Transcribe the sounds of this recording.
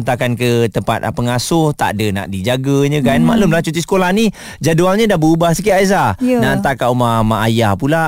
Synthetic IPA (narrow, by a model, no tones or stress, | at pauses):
nt̪akankət̪əmpa̰t̪̚pəŋasʊht̪a̰ʔdəna̰ʔdid͡ʒaɡəɲə̃kanma̰ʔlʊmlaht͡ʃut̪̬is̬əkolahni | d͡ʒadualɲədabəubahsəkiazanaʔnt̪akaumamaʔajahpula